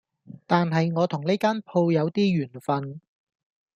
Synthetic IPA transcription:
t̪aː˨nɦɐ˨jŋɔː˨˧t̪ʰʊ˨˩ŋne˥kaː˥npʰo˧wjɐ˨˧wt̪iː˥jyː˨˩nfɐ˧n

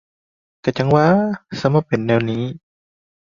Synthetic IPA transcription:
ka˧˩t͡ɕa˧˦ŋwaː˧˨sa˧˦ma˧˩pːe˨nːɛː˧˩wniː˦˥˨

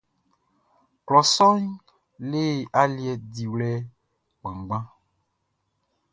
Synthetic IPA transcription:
klɔ˨sɔ˦ɲ | le˦˨a˦li˦ɛ˨di˨wlɛ˦ | ɡ͡bã˨ŋ˨ɡ͡bã˦

